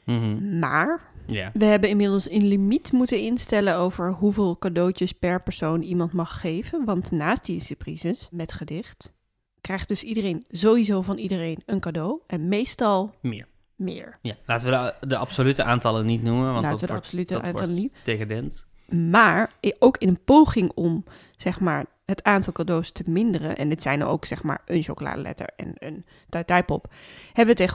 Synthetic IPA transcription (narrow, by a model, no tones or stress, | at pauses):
maːɹjaʋəɦɛbənɪmɪdəlˠsənlimitmutənɪnstɛlənowvəɹɦuvɪːlˠkadowt͡ʃəspɛɹpɛɹsownimɑntmɑχːejv̥ənʋɑntnaːstdisəprizəsmɛtχədɪχt | krɛjχd̥ɵsidərejnzowizowvɑnidərejnənkadowʔɛnmejstɑlˠmɪ̰ːɹ | mɪ̰ːɹjalaːtəʋədəɑpsolytəʔaːntɑlənitnumənʋnlaːtəʋədəpsolytəa̰ːnɑlənidekadɛnt | maːɹowkɪnənpowχɪŋɔm | z̥ɛχmaːɹ | ɦətaːntɑlˠkadowstəmɪndərə̰nʔɛ̰nɪtsɛjnə̰o̰wksɛχma̰ːɹʔənʃowkola̰ːdə̰lɛ̰tə̰ɹɛ̰nə̰n | tɛtɛjpɔphɛbəʋəteχə